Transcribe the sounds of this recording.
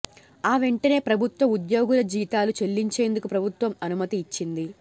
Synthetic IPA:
aːʋe̞ɳʈɐne̞ːpɾɐbʱut̪ʋɐmud̪jo̞ːɡulɐd͡ʒiːt̪aːlut͡ʃe̞lːiɲt͡ʃe̞ːnd̪ukupɾɐbʱut̪ʋɐmɐnumɐt̪iːt͡ʃːind̪i

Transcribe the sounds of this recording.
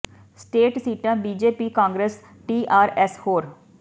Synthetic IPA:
sʈeːʈsiːʈãːbiːd͡ʒeːpiːkãːŋɡɾes | ʈiːʔaːɾɛshoːɾ

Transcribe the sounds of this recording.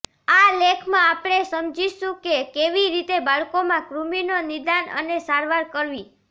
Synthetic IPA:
alekʰmãapɽ̃esəmd͡ʒiʃũkekeʋiɾit̪ebaɭkomãkɾuminonid̪anə̰nesaɾʋaɾkəɾʋi

